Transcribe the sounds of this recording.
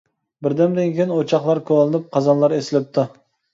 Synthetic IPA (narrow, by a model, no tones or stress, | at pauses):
bɪɾd̪ɛmd̪ɪnkʲejnot͡ʃʰɑχlˠɑɾkʰolˠɨnɪp̚qʰɑzɑnlˠɑɾesɪlɪp̚t̪ʰɪ